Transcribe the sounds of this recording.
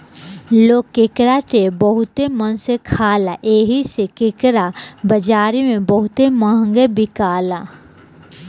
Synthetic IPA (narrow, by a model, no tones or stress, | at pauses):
loːkːekɾaʈeːbəɦʊt̪emənsekʰaːlaʔeːɦisekɪkɾabəd͡ʒaːɾimẽbəɦʊt̪emaɦə̃ŋɡebɪkaːlaː